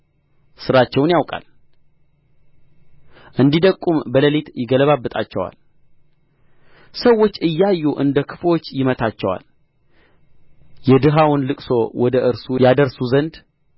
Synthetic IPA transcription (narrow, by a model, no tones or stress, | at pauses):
sɨɾat͡ʃːɛwnjawkʼa̰l | ʔɨnd̪id̪əkʼːumbələlet̪jɪɡələβabːɨt̪ʼa̰t͡ʃːɛwa̰l | səwːo̞t͡ʃːɨjːajːuʔɨ̰nd̪əkʰɨ̥fo̞t͡ʃːjɪmət̪ʰat͡ʃːɛwa̰l | jɛd̪ɨɦawʊnlɨkʼso̞wɔd̪əʔɨɾsujad̪əɾsuzənd̪